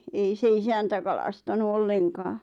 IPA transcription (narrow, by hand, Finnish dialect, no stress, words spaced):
ei se isæntæ kɑlɑstɑnu olːeŋkɑː